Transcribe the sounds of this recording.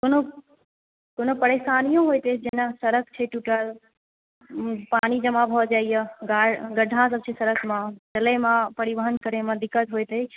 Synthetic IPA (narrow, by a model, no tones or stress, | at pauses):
kono | konopəɾesaːnijõɦojt̪ed͡ʒenasəɾəkʰt͡ʃʰeʈuʈəl | paːnid͡ʒəmãbʱɔd͡ʒaːijəɡaɡəɖʱãsəb̚t͡ʃʰesəɾəkʰmãt͡ʃəlemãpəɾibəɦənkəɾemãd̪ɪkːət̪ɦojt̪e